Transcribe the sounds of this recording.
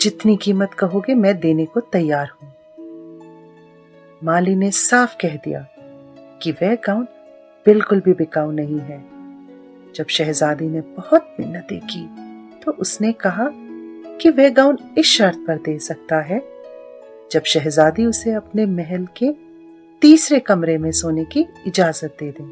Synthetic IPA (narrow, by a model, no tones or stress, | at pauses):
d͡ʒɪt̪nikiːmət̪kɐɦoɡemɛ̃ːd̪eːnekot̪ɐjːaːɾɦũː | maːlinesaːfkɛɦd̪ḭja̰ːkiʋɛːɡaːʊ̃nɖ | bɪlkʊlbʱibɪkaːʊnɐɦĩɦɛː | d͡ʒɐbʃɛɦzaːd̪inebɐhʊt̪̚mɪnːɐt̪ekiːt̪oʔʊsnekɐɦakiʋɛɡaːʊ̃nɪsʃɐɾt̪̚ʰpɐɾd̪eːsɐk̚t̪aɦɛ | d͡ʒɐbʃɛɦzaːd̪iʊseɐpnemɛɦɛlke | t̪iːsɾekɐmɾemẽsoːnekiɪd͡ʒaːzət̪̚d̪eːd̪ẽː